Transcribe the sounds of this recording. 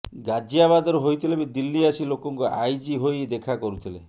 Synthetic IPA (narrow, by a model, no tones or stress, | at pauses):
ɡad͡ʒiaβad̪ɔɾoɦojt̪ʰilebid̪ilːiasilokɔŋkuʔajd͡ʒiɦojd̪ekʰakɔɾut̪ʰilḛ